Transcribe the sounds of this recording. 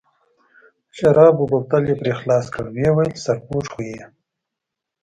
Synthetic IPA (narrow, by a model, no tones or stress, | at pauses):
ʃɐɾɑːbubab̚t̪aljepɾexlɑːskə̰ɽwewajlsaɾpuːʈ͡ʂxuee